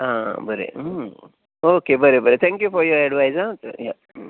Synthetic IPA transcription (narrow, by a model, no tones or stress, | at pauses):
ãbəɾḛə | okebəɾebəɾet̪ʰɛ̃ŋkjufɔɾjɔɾɛɖʋajzatə̰ja